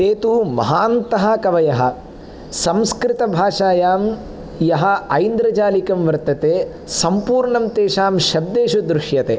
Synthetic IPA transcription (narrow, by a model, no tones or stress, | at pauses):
eːt̪umɐ̰ɦaːnt̪ɐɦɐ̆kɐʋɐjɐɦɐ̰̆ | sɐmskɾɪt̪ɐbʱaːʂaːjaːm | jɐɦɐ̆ɐjnd̪ɾɐd͡ʒaːlikɐmʋɐɾt̪ɐt̪eː | sɐmpuːɾɳɐmt̪eːʃaːmʃɐb̚d̪eːʃud̪ɾuʂjɐt̪eː